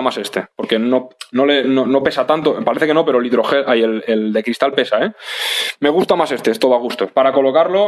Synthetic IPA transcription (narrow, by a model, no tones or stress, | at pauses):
mase̞st̪e̞po̞ɾke̞no̞no̞le̞nono̞pe̞sat̪ant̪opaɾeθeke̞nope̞ɾoliðɾo̞xeʔajeleld̪e̞kɾist̪alpe̞saeme̞ɣ̞ust̪amase̞st̪eest̪oðoaɣ̞ust̪opaɾako̞lo̞kaɾlo̞